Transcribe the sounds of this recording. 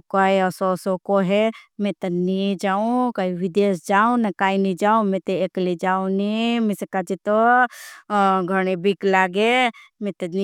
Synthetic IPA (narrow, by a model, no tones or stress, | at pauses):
kaiəsosokoɦemẽt̪ɐnid͡ʒaːũkaːiʋid̪eːsd͡ʒaːũnekaːinid͡ʒaːũmẽt̪eeklid͡ʒaːũnimesekad͡ʒit̪o | ɡʱəɽ̃ebiklaːɡemẽt̪ɐni